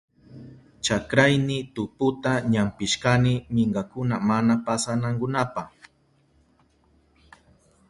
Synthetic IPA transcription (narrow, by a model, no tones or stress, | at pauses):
t͡ʃakɾajnɪt̪ʊpʊt̪aɲampɪʃkanɪmɪɴɢɑkʊnamanapasanaŋkʊnapaχ